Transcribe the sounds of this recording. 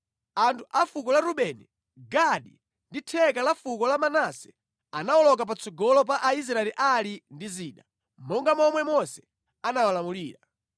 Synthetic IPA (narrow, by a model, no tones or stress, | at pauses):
antʰuʔafukɔlaɾuɓɛnɛ | ɡaɗi | nditʰɛkalafukɔlamanasɛ̥ | anawɔlɔk̬ap̬at͡sʰɔɡɔlɔp̬aʔais̬ɾaɛliʔalindiziːɗa | mɔŋɡamɔmwɛmɔsɛ̥ | anawalamuliːɾa